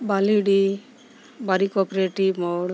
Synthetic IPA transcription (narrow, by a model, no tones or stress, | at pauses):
baliɖi | baɾikɔpɾeʈimɔɽ